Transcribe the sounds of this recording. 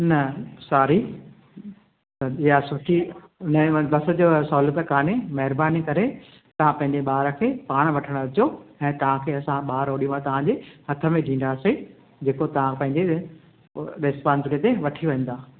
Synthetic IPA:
nɐsaːɾi | ɐɪjasʊʈʰinbɐsə̆d͡ʑosɔːlət̪əkaːnemɐɦɪɾbaːnikɐɾe | t̪ɐʋ̤ãpɐ̃ɦɪ̃ɲd͡ʑeɓaːɾəkʰeːpaːɽ̃ʋɐʈʰəɽ̃ʋɐt͡ɕoɛ̃ːt̪ɐʋ̤ãkʰeːɐsãɓaːɾoːɗijũãt̪ɐʋ̤ãd͡ʑehɐt̪ʰə̆mẽɖʱĩːn̆d̪aːse | d͡ʑeːkot̪ɐʋ̤ãpɐ̃ɦɪ̃ɲd͡ʑe | ɾeːspãːnsɪɾət̪eʋɐʈʰiʋɐ̃n̆d̪aː

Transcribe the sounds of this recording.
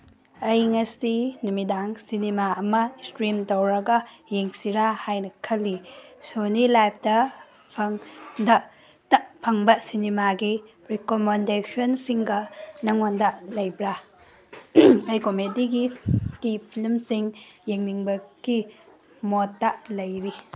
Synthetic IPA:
ɐjŋɐsinumidaŋsinemaɐmɐstɾimtowɾɐɡɐjeŋsiɾahajnɐkʰɐlːisonilajp̚ʰdɐ | pʰɐŋdɐ | tɐpʰɐŋbɐsinimaɡi | ɾikomendesʰonsiŋɡɐnɐŋondɐlɐjbɾa | ɐjkomediɡitipʰilmsiŋjeŋniŋbɐɡ̥i | motːalɐjɾi

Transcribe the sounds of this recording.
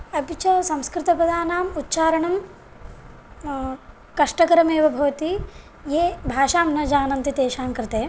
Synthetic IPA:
ɐpit͡ʃɐsɐ̃mskɾɪt̪ɐpɐd̪ʱaːnaːmutːt͡ʃaːɾɐɳɐm | kɐʂʈɐkɐɾɐmeːʋɐbʱɐʋɐt̪i | jeːbʱaːʃaːmnɐd͡ʒaːnɐnt̪it̪eːʃaːmkɾɪt̪eː

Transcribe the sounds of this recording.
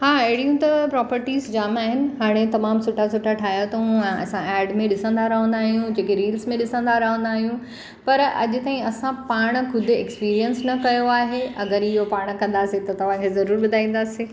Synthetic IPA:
haːɐɦɪɽijũt̪ɐpɾɔːpəɾʈiːzd͡ʑaːmaːɦɪnɪ̆ɦaːɽ̃et̪ɐmaːmsʊʈasʊʈʰaʈʰaːjat̪ɐɦũɛ̃ɐ̰sãɛːɖmẽɗɪsə̃nd̪aɾɐɦə̃nd̪aːɦijũd͡ʑeːkeɾiːlsmẽɗɪsə̃nd̪aɾɐɦə̃nd̪aːɦijũ | pɐɾɐ̰ʄʊt̪aːɦĩɐsãpaːɽ̃kʰʊd̪ʱʊḛkspiːɾijənsnɐkɐjoaːɦeɐɡəɾɪɦopaːɽ̃kɐ̃nd̪aːset̪ɐt̪ɐʋ̤ãkʰezɐɾuːɾbʊd̪ʱaːĩːn̆d̪aːsiː

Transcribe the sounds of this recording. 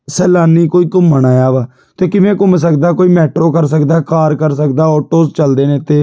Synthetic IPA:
sɛːlaːniːkoːiːkʊməɳaːjaːʋaː | t̪eːkɪʋẽːkʊms̬əkd̪aːkoːiːmɛːʈɾoːkəɾsəkd̪aːkaːɾkəɾsəkd̪aːɔːʈoːst͡ʃəld̪eːnẽːt̪eː

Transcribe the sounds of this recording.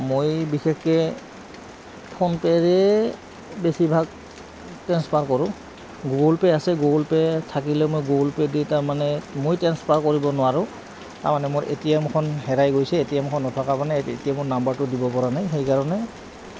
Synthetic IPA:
mojbixɛkkɛ | pʰɔnpɛɹɛ | besibʱaɡ | tɛnspaɹkɔɹʊ̃ | ɡolpɛasɛɡolpɛtʰak̬ilɛmojɡolpɛditaɹmanɛmojtɛnspaɹkoɹibɔnʊwaɹʊ̃ | ta̰ɹmanɛmʊɹʔḛtijɛmkʰɔnɦɛɹajɡojsɛetiɛmkʰɔnːɔtʰɔkapanɛḛtijamʊɹnambaɹtʊdibɔpɔɹanajxejkaɹɔnɛ

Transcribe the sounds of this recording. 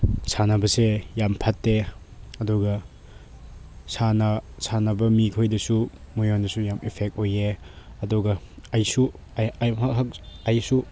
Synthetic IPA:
sanɐbɐsejampʰatːeɐduɡɐ | sanɐsanɐbɐmikʰojdɐsumujondɐsujamipʰek̚t̚ojeɐduɡɐːjsu | akɦak̚ɐjsu

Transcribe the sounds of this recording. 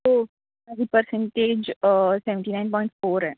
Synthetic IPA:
t̪oː | ɛdipəɾsɛ̃ɳʈeːd͡ʒsɛʋɛ̃ɳʈinaɪ̃npɔːɪ̃ɳʈfoːɾɦɛː

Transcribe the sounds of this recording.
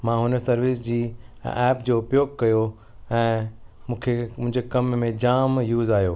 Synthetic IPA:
mãːɦʊnəsɐɾʋisd͡ʑiːɛːpd͡ʑoːʊpjoːɡ̚kːɐjo | ɛ̃ːmũːkʰem̃ɦɪ̃ɲd͡ʑekɐmːẽd͡ʑaːmjuːzaːjoː

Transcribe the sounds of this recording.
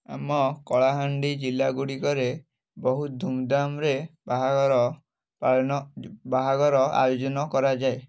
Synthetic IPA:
a̰mɔkɔɭaɦaɳɖid͡ʒilaɡuɽikɔɾe | bɔɦut̪̚d̪ʱumd̪amɾebaɦaɡɾɔ | paɭɔbaɦaɡɔɾɔa̰jod͡ʒɔnɔkɔɾad͡ʒae

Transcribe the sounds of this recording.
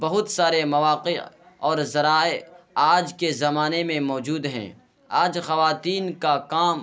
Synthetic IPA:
bɐɦʊt̪saːɾemɐʋaːqe | ɔːɾzɐɾaːeaːd͡ʒkezɐmaːnemẽmɔːd͡ʒuːd̪ɦɛ̰̃ː | aːd͡ʒxɐʋaːt̪iːnkakaːm

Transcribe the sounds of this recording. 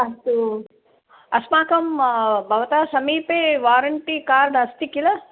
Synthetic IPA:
ɐst̪u | ɐsmaːkɐmbʱɐʋɐt̪aːsɐmiːpeːʋaːɾɐɳʈikaːɾɖɐst̪ikilɐ

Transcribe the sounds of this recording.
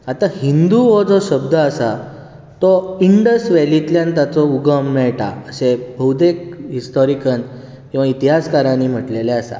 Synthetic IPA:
at̪ãhind̪uʋɔd͡zɔɕəb̚d̪ʱəəsa | t̪ɔiɳɖəsʋɛlit̪ljãnt̪at͡sɔuɡəmnɛɭʈa̰əsebʱəwd̪ekɦist̪ɔɾikən | kĩw̃ʋait̪iɦaskaɾãnim̤əʈleleəsa̰

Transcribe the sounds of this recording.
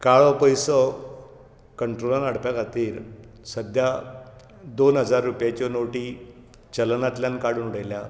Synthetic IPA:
kaɭɔpəjsə | kəɳʈɾolanaɽ̤pjakat̪iːɾ | səd̪ʱja | d̪onɦəd͡zaɾːupjat͡ɕɔnoʈiː | t͡ɕəlnat̪ljankaɽuːnuɽəjlja

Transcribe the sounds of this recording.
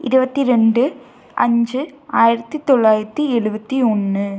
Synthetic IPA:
ɪɾɯbɐt̪ːiɾɛɳɖɯ | ʔɐ̰ɲd͡ʒɯaːjɪɾɐt̪ːɯt̪ɔɭːaːjɪɾɐt̪ːiɛɻɯbɐt̪ːiɔnːɯ

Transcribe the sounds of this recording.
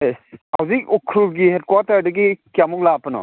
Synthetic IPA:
ehawzik̚ɔkʰɾulɡihed̚kwatɐɾdɐɡikjamuk̚lapɐnɔ̰

